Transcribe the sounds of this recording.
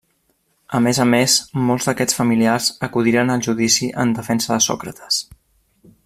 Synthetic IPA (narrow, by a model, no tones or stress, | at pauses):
əmezəmesmɔlˠzd̪əkɛt͡sfəmiliarz̥əkuðiɾənəlˠʒuðisiʔə̰nd̪əfɛnsəðəsɔ̰kɾət̪ʰə̥s